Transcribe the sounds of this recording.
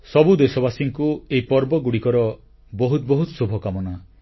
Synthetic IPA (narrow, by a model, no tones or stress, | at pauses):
sɔbud̪esɔbasiŋkueipɔɾbɔɡuɽikɔɾɔ | bɔɦut̪ɔbɔɦut̪subʱɔkamɔna